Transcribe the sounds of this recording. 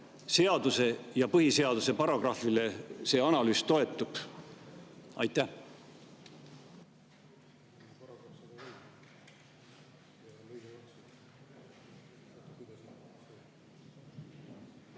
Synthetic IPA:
se̞ɑd̪use̞jɑpɤɦise̞ɑd̪use̞pɑɾo̞ɡ̥rɑfile̞se̞ːɑnɑlyːst̪o̞e̞t̪ːˑub̥ | ɑjt̪ˑːæh

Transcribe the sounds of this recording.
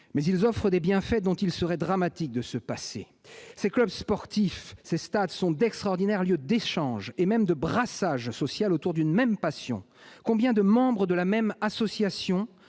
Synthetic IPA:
mɛzilzɔfχəd̪ebjɛ̃fɛd̪ɔ̃t̪ilsəʁɛd̪ʁamat̪ik̚d̪əsəpasḛ | seklœbspɔʁt̪ifsest̪ad̪sɔ̃d̪ɛkst̪χaɔʁd̪inɛʁljød̪eʃɑ̃ʒemɛmd̪əbʁasaʒsɔsjalot̪uʁd̪ynmɛmpasjɔ̰̃ | kɔ̃bjɛ̃d̪əmɑ̃bʁəd̪əlamɛmasɔsjasjɔ̃

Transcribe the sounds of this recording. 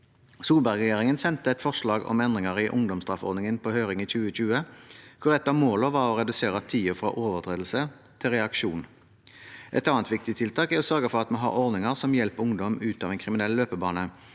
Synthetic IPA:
suːlbæɡʁɛjeːʁɪŋənsɛnt̪əɛt̪fɔʁʂɭɑːɡɔ̰mɛnd̪ʁɪŋəʁɪʔʊŋd̪ɔmsd̪ʁɑfɔ̰ʁd̪nɪŋənpʰɔhøːʁɪŋiçʉːəc͡çʉːəkʰʊʁɛt̪ːɑːʋmoːləʋɑʁɔʁɛd̪ʉseːʁət̪ʰiːʊfʁɑ̰ːʔoːʋəʁt̪ʰʁeːd̪l̩sə | t̪ʰɪlʁɛɑkʃuːn | ʔɛ̰t̪ɑːnt̪ʋɪkt̪ɪt̪ʰɪlt̪ʰɑːkæɔsœʁɡəfɔʁɑt̪mɑɦɑ̰ʁɔʁd̪nɪŋəʁsɔmjɛlpəʊŋd̪ɔmʉːt̪ɑːʋɛnkʰʁɪmɪnɛlløːpəbɑːnə

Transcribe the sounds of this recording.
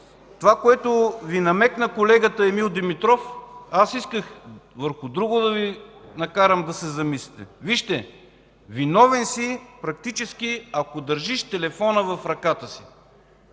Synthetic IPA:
t̪ovakoɛt̪ʊvinɐmɛknəkolɛɡət̪əɛmilˠd̪imit̪ɾɔfasiskəxvəɾxʊd̪ɾuɡʊd̪ɐvinɐkaɾəmd̪ɐsɛzɐmislit̪ɛ̰viʃt̪ɛ | vinɔvɛnsipɾɐk̚t̪it͡ʃɛsk̟iɐkod̪əɾʒiʃt̪ɛlɛfɔnəvɐfɾɐkat̪əsi̥

